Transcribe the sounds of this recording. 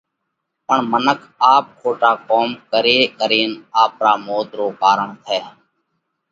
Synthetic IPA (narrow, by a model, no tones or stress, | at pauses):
pəɳmənəkʰaːp̚kʰoːʈaːkoːmkəɾeːkəɾeːnaːpɾaːmoːt̪ɾoːkaːɾəɳt̪ʰɛː